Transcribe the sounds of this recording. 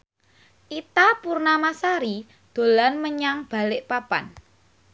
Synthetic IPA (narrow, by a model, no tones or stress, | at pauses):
ʔit̪apurnamasaɾi | d̪̥o̤lanməɲaŋb̥a̤lɪʔpapa̰n